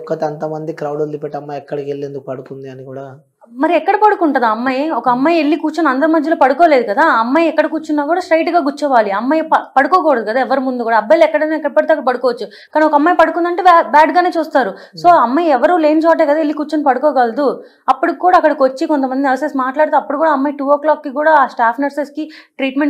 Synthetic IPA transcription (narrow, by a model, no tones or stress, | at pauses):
kːɐt̪eɐnt̪ɐmɐnd̪ikɾɐwɽuld̪ipeʈːɐmːɐjɛkːɐɽɐkelːend̪ukupɐɽukund̪iɐnikuːɽa | mɐɾiɛkːɐɽɐpɐɽukuɳʈɐnd̪ɐmːɐjɔkɐɐmːɐjeɭːikuːt͡ʃɐnɐnd̪ɐɾɐmɐd̪ʱjɐloːpɐɽukɔːle̞ːd̪ukɐd̪aːɐmːɐjɛkːɐɽɐkuːt͡ʃːunːaːkuːɽaːsʈɾɐjʈɡaːɡut͡ʃːɐʋaːliɐmːɐjppɐɽukɔːkɔːʋɐɽɐd̪ukɐd̪aːɛʋɐɾumund̪ukuːɽaːɐbɐjlɛkːɐɽɐjneɛkːɐɽipɐɽut̪eɐkːɐɽɐpɐɽukɔːʋɐt͡ʃːu | kaːniɔkɐɐmːɐjpɐɽukund̪ɐɳʈeːbaːɖɡaːne̞ːt͡ʃuːst̪aːɾu | so̞ːɐmːɐjɛʋɐɾule̞ːnt͡ʃoːɐʈ̬ːeːkɐd̪aːelːikuːt͡ʃɐnpɐɽukɔːɡɐld̪u | ɐpːuɽukːuːɽaːɐkːɐɽɐkʋot͡ʃːikont̪ɐmɐnd̪inʋɐsesimaːʈlaːɽut̪eɐpːuɽukuːɽaɐmːɐjiʈuːoːklaːkːikuːɽaːsʈaːpʰnɐɾseskiʈɾiːʈmeɳ